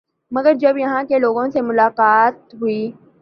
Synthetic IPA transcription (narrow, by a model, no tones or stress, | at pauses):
mɐɡəɾd͡ʒɐbjɐɦãkeloːɡõsemʊlaːqaːt̪ɦui